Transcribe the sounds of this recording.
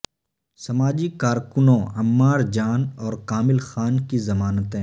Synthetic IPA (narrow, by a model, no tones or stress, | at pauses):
sɐmaːd͡ʒikaːɾkʊnõɐmːaːɾd͡ʒaːnɔːɾkaːmɪlxaːnkizɐmaːnət̪ɦɛ̃ː